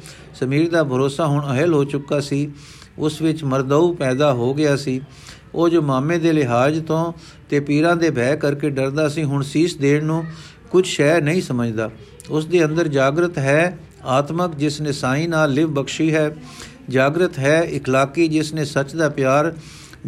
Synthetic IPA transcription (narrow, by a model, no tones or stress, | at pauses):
səmiːɾd̪aːbʱəɾoːsaːɦʊɳəɦəlɦoːt͡ʃʊkːaːsiː | ʊsʋɪt͡ʃməɾd̪aːuːpɛːd̪aːɦoːɡɪjaːsiː | oːd͡ʒoːmaːmẽːd̪eːlɪɦaːd͡ʒt̪õː | t̪eːpiːɾãːd̪eːbʱɛːkəɾkeːɖəɾd̪aːsĩːɦʊɳsiːsd̪eːnnũː | kʊd͡ʒʰʃɛːɾnəɦĩːsəməd͡ʒd̪aː | ʊsd̪eːə̃nd̪əɾd͡ʒaːɡɾət̪ɦɛː | aːt̪məkd͡ʒɪsnɪsãːĩːnaːlːɪʋbəkʃiːɦɛː | d͡ʒaːɡɾət̪ɦɛːɪkʰlaːkiːd͡ʒɪsnẽːsət͡ʃd̪aːpjaːɾ